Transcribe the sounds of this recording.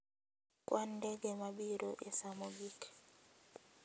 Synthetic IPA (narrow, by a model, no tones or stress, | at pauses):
kwʔandɛɡɛmabiɾoʔɛsamoɡik